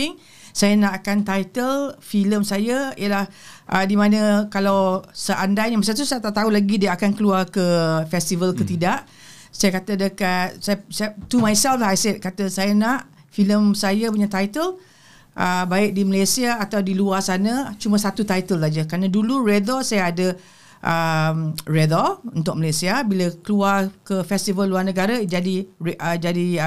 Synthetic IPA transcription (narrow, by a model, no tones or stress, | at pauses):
ɪŋ | sajanaʔakant̪ajt̪əlfiləmsajaijəlahʔədimãnə̃kalawsəʔandajjamasat̪usajat̪aʔt̪aulaɡidiaakankəluarkəfɛst̪ivəlkət̪idaʔ | sajakat̪ədəkat̪̚sajst̪umajsɛlflaɦajsɛt̪̚kat̪əsajanaʔ | filəmsajap̬uɲat̪ajt̪əl | ʔəbaɪʔ̚diməlasiaːt̪awdiluarsanãt͡ʃumãsat̪ut̪ajt̪əlsad͡ʒakɾanãdulurɛd̪ɔsajaːdə | ʔəmrɛd̪ɔunt̪ʊk̚məlasiabilakəluarkəfɛst̪ivəlːuarnə̃ɡaɾad͡ʒadiəd͡ʒadi